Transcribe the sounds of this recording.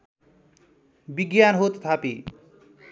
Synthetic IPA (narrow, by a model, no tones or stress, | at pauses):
biɡjanɦot̪t̪ʰapi